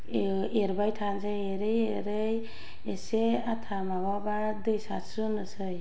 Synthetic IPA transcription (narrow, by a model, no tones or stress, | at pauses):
eɾbajtʰanzajeɾɯjeɾɯj | eseat̪ʰamaβabaɾd̪ɯjsasɯnɯsɯj